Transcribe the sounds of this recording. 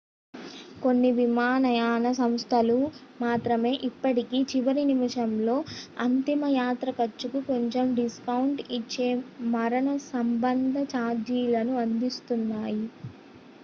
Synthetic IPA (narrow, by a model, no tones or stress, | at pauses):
ko̞nːiʋimaːnɐjaːnɐsɐmst̪ʰɐlumaːt̪ɾɐme̞ːʔipːɐʈikiːt͡ʃiʋɐɾinimiʂɐmlo̞ːɐnt̪imɐjaːt̪ɾɐkɐt͡ʃːukuko̞ɲt͡ʃemɖiskɐwuɳʈit͡ʃːeːmɐɾɐnɐsɐmbɐnd̪ʱɐt͡ʃaːd͡ʒiːlɐnuɐnd̪ist̪unːaːji